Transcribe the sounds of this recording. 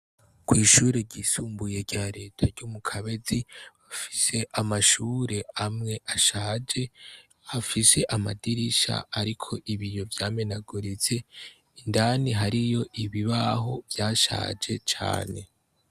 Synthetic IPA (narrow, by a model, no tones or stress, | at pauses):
kwiːʃuːɾeɾɟiːsuːmbuje̞ɾɟaːɾe̞ːtʰaɾɟuːmukʰaβe̞ziβafi̥se̞ʔamaʃuːɾe̞amŋe̞ʔaʃaːd͡ʒe̞ | hafise̞ʔamadiɾiʃa̰aɾikʰo̞ʔiβijo̞vjaːme̞naɡuɾize̞ | indaniɦaɾijo̞ʔiβiβaɦo̞vjaːʃa̰ːd͡ʒe̞t͡ʃa̰ːne̞̰